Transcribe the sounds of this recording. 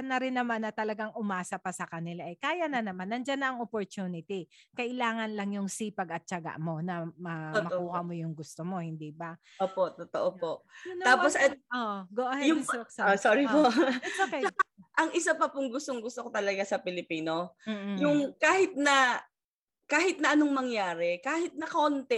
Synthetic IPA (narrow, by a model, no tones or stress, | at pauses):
ɐnːɐɾɪnːɐmanːɐt̪ɐlɐɡaŋʔʊmaːsɐpɐsɐkɐnɪlaʔɐjkaːjɐnɐnɐmanːɐnd͡ʒanːɐʔɐŋopoɾt̪uːnɪt̪ikɐʔɪlaːŋɐnlɐŋjʊŋsiːpɐɡɐt̪̚t͡ʃɐɡa̰ʔmo̞nɐmɐmɐkuːhɐmojʊŋɡʊst̪omo̞hɪnd̪iːbɐ | oːpoʔt̪ot̪oʔopoʔʊnt̪aːposɐoʔɡoʔhjʊsokssoːɾipoʔɛokɐt͡ʃɐaʔɐŋʔɪsapɐpʊŋɡʊst̪oŋɡʊst̪okot̪ɐlɐɡasɐpɪlɪpiːno̞m̩ːjʊŋkaːhɪt̪̚nɐ | kaːhɪt̪̚nɐʔɐnoŋmɐŋjaːɾɛkaːhɪt̪̚nɐkont̪ɛ